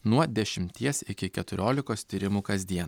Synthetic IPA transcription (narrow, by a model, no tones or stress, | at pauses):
nuɔd̪ʲɛʃʲɪmʲt̪ʲiɛsɪkʲɪkʲɛt̪ʊɾʲoːlʲɪkoːst̪ʲiːɾʲɪmuːkɐzʲd̪ʲiɛn